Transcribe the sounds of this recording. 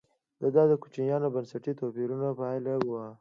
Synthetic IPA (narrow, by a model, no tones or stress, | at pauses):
d̪̥əd̪ɑd̪əku̥t͡ʃinjɑnobɐnsɐʈit̪opiɾunapajlawa